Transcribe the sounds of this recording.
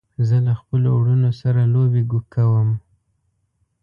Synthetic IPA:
zəlaxpəlo̰wɽunosaɾalobeɡukawəm

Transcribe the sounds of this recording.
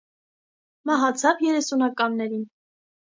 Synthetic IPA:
mɑɦɑt͡sʰɑvjɛɾɛsunɑkɑmnɛɾin

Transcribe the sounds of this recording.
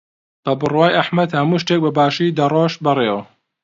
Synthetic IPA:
b̥ɐbɨrwaːjʔɐħmɐd̪hɐmuːʃt̪eːk̚bɐbaːʃiːd̪ɐroːʃbɨrˤeːwɐ

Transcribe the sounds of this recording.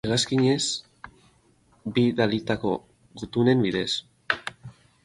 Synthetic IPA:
eɣaskiɲe̞s | biðalit̪ako̞ | ɣut̪une̞mbiðe̞s

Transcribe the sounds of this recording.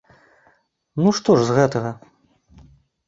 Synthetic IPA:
nuʂt̪ɔʐzɣɛt̪ɐɣɐ

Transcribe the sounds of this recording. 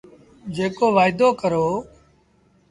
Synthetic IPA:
d͡ʒeːkoːʋaːɪd̪oːkəɾoː

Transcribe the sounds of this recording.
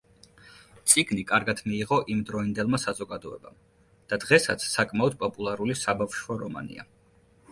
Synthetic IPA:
t̪sʼiɡnikʼaɾɡad̪ʰmiːʁɔʔimd̪ɾɔind̪ɛlˠmasazɔɡad̪ɔɛ̰ba̰m | d̪̥ad̪̥ʁɛsa̰t̪sʰsakʼmaɔd̪̚pʼɔpʼulˠaɾulisabafʃwaɾɔma̰nḭa̰

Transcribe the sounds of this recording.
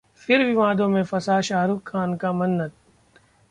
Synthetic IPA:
fɪɾʋɪʋaːd̪õmẽfɐsaːʃaːɾʊkʰːaːnkamɐnːət̪̚

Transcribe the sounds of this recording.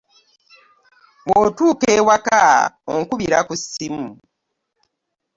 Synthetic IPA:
wotuːkeːwakaoŋkuβiɾakusːimu

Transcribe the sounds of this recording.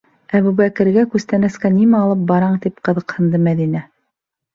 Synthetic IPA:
æβubækɘ̆ɾɡækʉst̪ænæskænimæɑlˠɤp̚bɑɾɑɴt̪ipqɤ̆ðɤ̆qhɤ̆nd̪ɤmæðinæ

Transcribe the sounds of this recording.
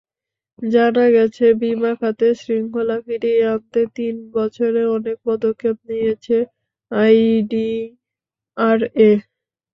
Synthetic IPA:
d͡ʑanaɡɛt͡ɕʰebimakʰat̪eʃɾiŋkʰolafiɖiant̪et̪inbɔt͡ɕʰoɾeɔnek̚pɔd̪okʰːep̚nijet͡ɕʰe | ajɖi | aɾe

